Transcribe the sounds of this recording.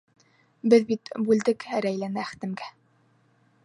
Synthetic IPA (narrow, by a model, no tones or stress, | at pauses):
bɘðbit̪bʉld̪ɘkɾæjlænɘæχ̆t̪ɘ̆mɡæ